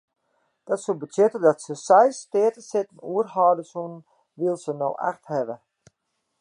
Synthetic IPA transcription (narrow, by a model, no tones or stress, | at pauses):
d̥ɔtsubətʰjɪtədɔtsəsɛjstɪətəsɪtənuərɦaːdəsunn | ʋilˠsəno̰wʔa̰xthɛʋə